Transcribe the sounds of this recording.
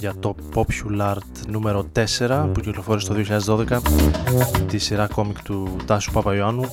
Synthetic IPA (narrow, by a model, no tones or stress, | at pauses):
ʝɐt̪o̞po̞pçulɐɾd̪nume̞ɾo̞t̪e̞se̞ɾɐpuciklo̞fo̞ɾist̪o̞ðioçiʎɐðezðo̞ðe̞kɐ | t̪isiɾɐko̞mikt̪ut̪ɐsu̥pɐpɐioɐnu